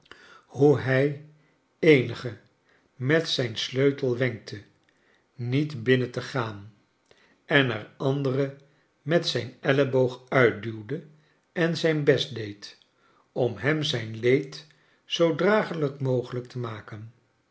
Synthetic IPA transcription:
huɦɛj | ejnəχə | mɛtsɛjnsløɥtəlˠʋɛŋk̚tʰə | nitbɪnətəχaːn | ɛnɛrɑndərə | mɛtsɛjnɛləbowχœɥt̚dywdə | ɛnzɛjnbɛsdejt | ɔmɦɛmzɛjnlejt | sowdraːχələkmowχələk̚təmaːkən

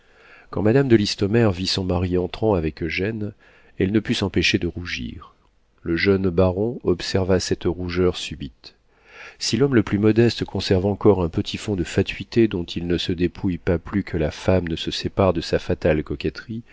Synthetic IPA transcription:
kɑ̃mad̪amd̪əlist̪ɔmɛʁvisɔ̃maʁiɑ̃t̪χɑ̃avɛkʒɛn | ɛlnəpysɑ̃peʃed̪əʁuʒḭʁ | ləʒœnbaʁɔ̃ɔpsɛʁvasɛt̪ʁuʒœʁsybit̪ | silɔmləplymɔd̪ɛst̪kɔ̃sɛʁvɑ̃kɔʁɛ̃pət̪ʰifɔ̃d̪əfat̪ɥit̪ed̪ɔ̃t̪ʰilnəsəd̪epʰujpaplykʰəlafamnəsəsepaʁd̪əsafat̪alkɔkʲɛt̪χi

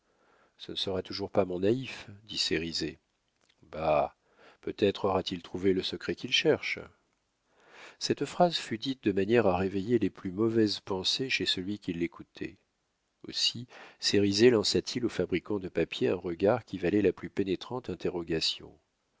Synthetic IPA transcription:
sə̰nəsəʁat̪uʒuʁpamɔ̃naifd̪iseʁize | ba | pøt̪ɛt̪χɔʁat̪ilt̪χuveləsəkχɛkʲilʃɛʁʃ | sɛt̪fχazfyd̪it̪̚d̪əmanjɛʁaʁevejeleplymɔvɛzpɑ̃seʃesəlɥikʲilːekut̪ʰɛ̰ | o̰siseʁizelɑ̃sat̪ʰilofabʁikɑ̃d̪əpapjeɛ̃ʁəɡaʁkʲivalɛlaplypenet̪χɑ̃t̪ɛ̃t̪eʁɔɡasjɔ̰̃

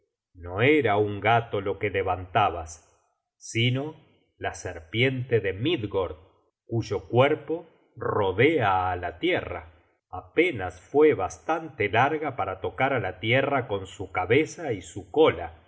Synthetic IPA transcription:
no̞eɾauŋɡat̪olo̞kele̞βant̪aβasː | ino̞ | laseɾpje̞nt̪eðemid̪ɣoɾð | kuʒo̞kweɾpo̞ | ro̞ðeaːlat̪jera̰ | ape̞nasfwe̞βast̪ant̪elaɾɣapaɾat̪o̞kaɾalat̪jerako̞nsukaβesaisuko̞la

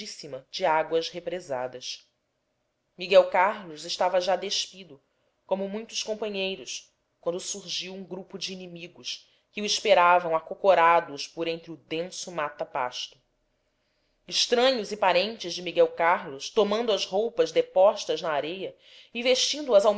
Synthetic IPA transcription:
isimɐd͡ʒɪaɡwɐzhepɾeza̰d̪ɐʃ | miɡɛwkaɾlʊzɪʃt̪avɐʒad̪eʃpid̪ʊ | kõmʊmũj̃t̪ʊ̥ʃkõpɐ̃ɲejɾʊʃ | kwɐ̃nd̪ʊsuɾʒiwũɡɾupʊd͡ʒiːnimiɡʊʃ | kɪuiʃpeɾavɐ̃w̃akokoɾad̪ʊʃpoɾẽnt̪ɾɪʊd̪ẽsʊmat̪ɐpa̰ʃt̪ʊ | ɪʃt̪ɾɐ̃ɲʊzɪpaɾẽnt͡ʃɪzd͡ʒɪmiɡɛwkaɾlʊʃt̪omɐ̃nd̪ʊɐzɦowpɐzd̪epɔʃt̪ɐznɐːɾejɐ | ɪveʃt͡ʃĩnd̪ʊɐzawm

